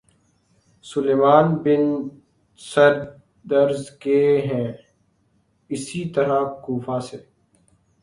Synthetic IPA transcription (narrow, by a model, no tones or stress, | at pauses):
sʊleːmaːnbɪn | sɐɾ | d̪ɐɾzkeɦɛ̃ː | ɪsit̪ɐɾakuːfaːseː